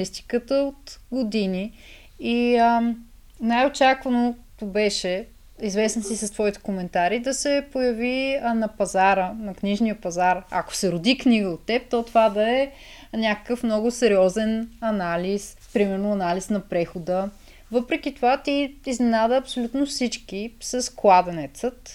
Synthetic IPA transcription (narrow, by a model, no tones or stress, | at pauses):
ist̪i̥kət̪əot̪ɡod̪ini | i | najot͡ʃakvənot̪obɛʃɛ | izvɛsnəsisɐst̪vɔit̪ɛ̥komɛnt̪aɾid̪ɐsɛpojəvinɐpɐzaɾənɐkniʒnijəpɐzaɾɐ̰ko̥sɛɾʊd̪ikniɡəot̪ːɛp̚t̪ɔt̪ovad̪ɐɛ | nʲakə̥kəfmnɔɡʊsɛɾiɔzɛnɐnalis | pɾimɛɾnʊɐnalisnɐpɾɛxod̪ə | vɤpɾɛk̟it̪ovat̪iiznɛnad̪əːpsolʲut̪nofsit͡ʃkisɐsklˠad̪ɛnɛt̪sət̪